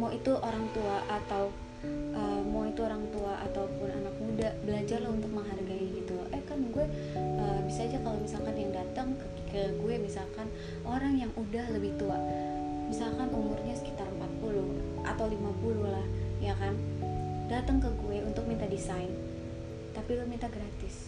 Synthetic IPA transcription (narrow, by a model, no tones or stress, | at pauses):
moit̪uʔoɾaŋt̪uaʔat̪aw | ʔəːmoit̪uoɾaŋt̪uaʔat̪awpʊna̰nak̚mudabəlad͡ʒarlahunt̪ʊk̚məŋɦarɡaiɡit̪uʔɛkanɡuɛ | ʔəːbisaːd͡ʒakalomisalkanjaŋdat̪əŋk | kəɡuɛmisalkan | ʔoɾaŋjaŋʔudahləbɪht̪uaʔ | misalkanumʊrɲasə̥kit̪arəmpat̪̚pulʊh | ʔa̰t̪awlimapulʊhlahjakandat̪əŋkəɡuɛunt̪ʊk̚mint̪adisajn | t̪apilmint̪aɡɾat̪ɪs